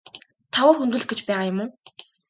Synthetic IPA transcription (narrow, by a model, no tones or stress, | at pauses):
t̪ʰaʊːrxunt̪ŭɮ̆̚ɡet͡ɕpæːʁaːjʊmʊː